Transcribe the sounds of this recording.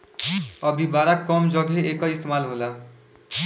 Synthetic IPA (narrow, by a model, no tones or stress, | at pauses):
əbʱibaːɾakkːɔːmd͡ʒɔɡɦeeːkːaɪst̪eːmaːlɦoːlaː